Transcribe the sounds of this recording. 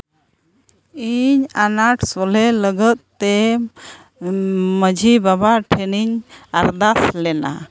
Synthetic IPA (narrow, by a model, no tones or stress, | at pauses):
iɲanaʈsɔlɛləɡət̪̚ːɛ | məd͡ʒʱibabaʈʰɛniɲaɾd̪aslɛna̰